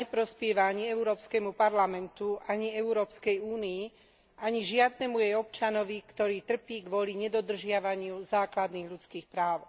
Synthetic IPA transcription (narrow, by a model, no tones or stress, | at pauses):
ɛpɾɔspɪɛʋaaɲiɛuɾɔːpskɛmupaɾlamɛnt̪uaɲiɛuɾɔːpskɛjuːnii | ʔaɲiʒɪad̪nɛmujɛjɔp̚t͡ʃanɔʋikt̪ɔɾiːt̪r̩piːɡʋɔliɲɛd̪ɔd̪r̩ʒɪaʋaɲɪuzaːklad̪niːɣʎut͡skiːxpɾaːʊ